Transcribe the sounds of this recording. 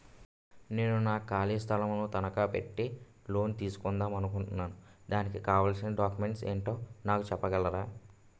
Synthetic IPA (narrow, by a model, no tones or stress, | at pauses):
ne̞ːnunaːkaːliːst̪ʰɐlɐmnut̪ɐnɐkaːpḛʈːi | lo̞ːnt̪iːsu̥kɔnd̪aːmɐnukuɳʈunːaːnud̪aːnikikaːʋaːlsinɐɖaːkjume̞ɳʈsḛːɳʈoːnaːkut͡ʃɛpːɐɡɐlːɐɾaː